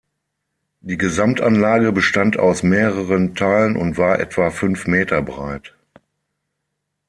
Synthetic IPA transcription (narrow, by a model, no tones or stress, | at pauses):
d̥iːɡəzamtʔanlaːɡəbəʃtanta̰ʊsmeːʁəʁəntʰaːlənʊ̰ntv̥aːɐʔɛ̰tv̥afʏnfmeːtɐbʁaɪt